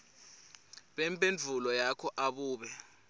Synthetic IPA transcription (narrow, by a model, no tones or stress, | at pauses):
ɓɛmpʼend͡ɮʱulɔjakʰɔʔaɓuːɓɛ